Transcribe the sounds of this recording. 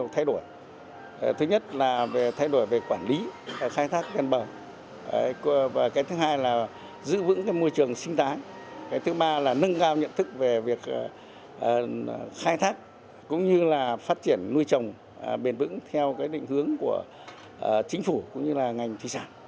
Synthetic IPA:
t̪ʰa˧jɗo˧˩j | t̪ʰɨ˨˦ɲə˦˥t̚laː˨˩ve˨˩t̪ʰa˧jɗo˧˩əjve˨˩kwaː˧˩nli˨˦˨xaː˧jt̪ʰaː˦˥k̚vɛ˨˩nɓəː˨˩˨ | vaː˨˩kaː˨˦jt̪ʰɨ˨˦ɦaː˧jlaː˨˩ | zɨ̰˧˥vɨ̰˧˥ŋkaː˨˦jmo˧jt͡ɕɨ˨˩əŋsï˧ŋ̟t̪aː˨˦j | kaː˨˦jt̪ʰɨ˨˦ɓaː˧laː˨˩nə˧ŋkaː˧wɲə̰˧˨nt̪ʰɨ˦˥k̚ve˨˩vi˨˩ək̚ː | xaː˧jt̪ʰaː˦˥k̚ː | ʊ̰˧˥ŋ͡mɲɨ˧laː˨˩faː˦˥t̚t͡ɕi˧˩ənːu˧jt͡ɕə˨˩wŋ͡m | ɓe˨˩nvɨ̰˧˥ŋt̪ʰɛ˧wkaː˨˦jɗḭ̈˧˨ŋ̟hɨ˨˦əŋku˧˩ə˨˩ | t͡ɕï˨˦ŋ̟fu˧˩kʊ̰˧˥ŋ͡mɲɨ˧laː˨˩ŋa˨˩jŋ̟t̪ʰwi˨˩saː˧˩n

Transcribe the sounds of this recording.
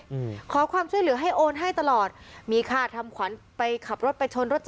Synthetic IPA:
kʰɔː˩˦kʰwaː˧mt͡ɕʰu˥˩əjlɯ˩˦ɐɦa˥˩jʔoː˧nɦa˥˩jt̪a˧lɔː˨˩t̪̚miː˧kʰaː˧˩t̪ʰa˧mkʰwa˩˦n | pa˧jkʰa˨˩p̚ɾo˦˥t̪̚pa˧jt͡ɕʰo˧nɾo˦˥t̪̚t͡ɕ

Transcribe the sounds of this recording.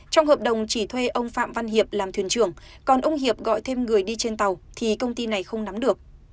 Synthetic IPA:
t͡ɕɔ˧wŋ͡mhəː˨˩p̚ɗə˨˩wŋ͡mt͡ɕi˧˩t̪ʰwe˧ʔə˧wŋ͡mfa̰ː˧˨mva˧nɦi˨˩əp̚laː˨˩mt̪ʰi˨˩ənt͡ɕɨ˧˩əŋ | kɔ˨˩nʔə˧wŋ͡mɦi˨˩əp̚ɣɔ̰˧˨jt̪ʰe˧mŋɨ˨˩əjɗi˧t͡ɕe˧nt̪a˨˩wt̪ʰi˨˩kə˧wŋ͡mt̪i˧na˨˩jxə˧wŋ͡mna˨˦mɗɨ˨˩ək̚

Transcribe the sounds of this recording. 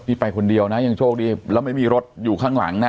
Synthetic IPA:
miː˧˩pa˧jkʰo˧ndi˧əwna˦˥ja˧ŋt͡ɕʰoː˥˩k̚diː˧˩lɛː˦˥wma˥˩jmiː˧ɾo˦˥t̪̚juː˨˩kʰaː˥˩ŋla̰˩˦ŋna˦˥

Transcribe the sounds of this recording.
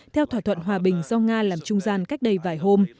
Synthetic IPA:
t̪ʰɛ˧wt̪ʰwaː˧˩t̪ʰə˧˨nɦwaː˨˩ɓï˨˩ŋ̟zɔ˧ŋaː˧laː˨˩mt͡ɕʊ˧ŋ͡mzaː˧nka˦˥k̚ɗə˧˩jvaː˨˩jɦo˧m

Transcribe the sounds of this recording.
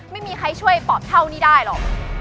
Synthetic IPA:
ma˥˩jmiː˧kʰa˧jt͡ɕʰu˥˩əjpɔː˨˩p̪̚t̪ʰːa˥˩wniː˥˩daː˥˩jlɔ˨˩k̚

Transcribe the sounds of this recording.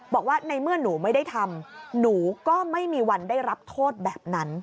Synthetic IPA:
bɔː˨˩k̚waː˥˩na˧jmɯ˥˩ɐnuː˩˦ma˥˩jda˥˩jt̪ʰa˧mnuː˩˦kɔː˥˩ma˥˩jmiː˧wa˧ndaː˥˩jɾa˦˥p̚t̪ʰoː˥˩t̪̚bɛː˨˩p̚na˦˥n

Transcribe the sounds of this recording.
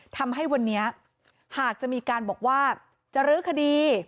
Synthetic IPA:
t̪ʰa˧mɦa˥˩jwa˧nːi˦˥ɐ | haː˨˩k̚t͡ɕa˨˩ʔmiː˧kaː˧nbɔː˨˩k̚waː˥˩ | t͡ɕa˨˩ɾɯː˦˥kʰa˧diː˧

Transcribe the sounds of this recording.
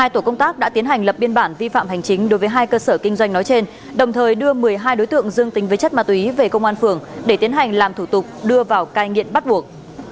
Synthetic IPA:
haː˧jt̪o˧˩kə˧wŋ͡mt̪aː˦˥k̚ɗa̰ː˧˥t̪i˨˦ənɦa˨˩jŋ̟lə˨˩p̚ɓi˧ənɓaː˧˩nvi˧fa̰ː˧˨mɦa˨˩jŋ̟t͡ɕï˨˦ŋ̟ɗo˨˦jvəː˨˦jɦaː˧jkəː˧səː˧˩kï˧ŋ̟zwa˧jŋ̟nɔ˨˦jt͡ɕe˧n | ɗə˨˩wŋ͡mt̪ʰəː˨˩jɗɨ˧əmɨ˨˩əjɦaː˧jɗo˨˦jt̪ɨ̰˧˨əŋzɨ˧əŋt̪ï˨˦ŋ̟vəː˨˦jt͡ɕə˦˥t̚maː˧t̪wve˨˩kə˧wŋ͡mʔaː˧nfɨ˨˩əŋɗe˧˩t̪i˨˦ənɦa˨˩jŋ̟laː˨˩mt̪ʰu˧˩t̪ʊ˨˩k͡p̚ɗɨ˧əvaː˨˩wkaː˧jŋḭ˧˨əmɓa˦˥t̚ɓu˨˩ək̚

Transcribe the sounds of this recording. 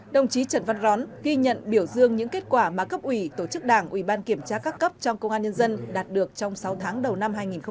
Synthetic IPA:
ɗə˧˩wŋ͡mt͡ɕi˨˦t͡ɕə˧˩nva˧nzɔ˨˦nɣi˧ɲə̰˧˨nɓi˧˩əwzɨ˧əŋɲɨ̰˧˥ŋke˦˥t̚kwaː˧˩maː˨˩kə˦˥p̚ʔwi˧˩t̪o˧˩t͡ɕɨ˦˥k̚ɗaː˧˩ŋʔwi˧˩ɓaː˧nki˧˩əmt͡ɕaː˧kaː˦˥kːə˦˥p̚t͡ɕɔ˧ŋ͡mkə˧ŋ͡mʔaː˧ɲə˧nzə˧nɗaː˨˩t̚ɗɨ˨˩ək̚t͡ɕɔ˧wŋ͡msa˨˦wt̪ʰaː˨˦ŋɗə˨˩wna˧mɦaː˧jŋi˨˩nx

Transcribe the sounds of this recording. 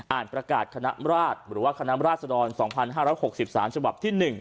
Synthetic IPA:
ʔaː˨˩npɾa˧ka̰ː˨˩t̪̚kʰa˧na̰˦˥ɾaː˥˩t̪̚ɾɯː˩˦waː˥˩kʰa˧na˦˥mɾaː˥˩t̪̚sa˧dɔː˧nsɔː˩˦ŋpʰa˧nɦaː˥˩ɾɔː˦˥jho˨˩k̚si˨˩p̚saː˩˦mt͡ɕʰa˧ba˨˩p̚t̪ʰiː˥˩nɯ˨˩ŋ

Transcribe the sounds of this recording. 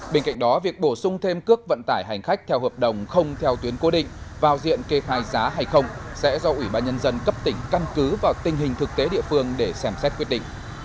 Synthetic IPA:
ɓe˧nka̰˧˨ŋ̟ɗɔ˨˦vi˨˩ək̚ɓo˧˩sʊ˧ŋ͡mt̪ʰe˧mkɨ˦˥ək̚və̰˧˨nt̪aː˧˩jɦa˨˩jŋ̟xa˦˥k̟̚t̪ʰɛ˧whəː˨˩p̚ɗə˨˩wŋ͡mxə˧wŋ͡mt̪ʰɛ˧wt̪wi˨˦ənko˨˦ɗḭ̈˧˨ŋ̟vaː˨˩wzḭ˧˨ənke˧xaː˧˩jzaː˨˦ɦaː˨˩jxə˧wŋ͡msɛ̰˧˥zɔ˧ʔwi˧˩ɓaː˧nɲə˧nzə˧nkə˦˥p̚t̪ï˧˩ŋ̟ka˧nkɨ˨˦vaː˨˩wt̪ï˨˩ŋ̟ɦï˨˩ŋ̟t̪ʰɨ˨˩k̚t̪e˨˦ɗḭ˧əfɨ˧əŋɗe˧˩sɛ˧˩msɛ˦˥t̚kwi˦˥ət̚ɗḭ˧˨ŋ̟

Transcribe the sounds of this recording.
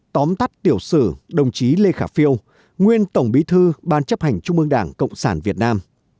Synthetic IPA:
t̪ɔ˨˦mt̪a˦˥k̚t̪i˧˩əwsɨ̰˧˩ɗə˨˩wŋ͡mt͡ɕi˨˦le˧xaː˧˩fi˧əw | ŋwi˧ənt̪ə˧˩wŋ͡mɓi˨˦t̪ʰɨ˧ɓaː˧˩nt͡ɕə˦˥p̚ha˨˩jŋ̟t͡ɕʊ˧ŋ͡mɨ˧ə˧ŋɗaː˧˩ŋkə̰˧˨wŋ͡msaː˧˩nvi˨˩ət̚naː˧m

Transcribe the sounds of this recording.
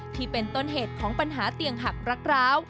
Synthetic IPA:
t̪ʰiː˥˩pe˧nt̪o˥˩nɦeː˨˩t̪̚kʰɔː˩˦ŋpa˧nɦaː˩˦t̪i˧əŋɦa˨˩k̚ɾa˦˥k̚ɾaː˦˥w

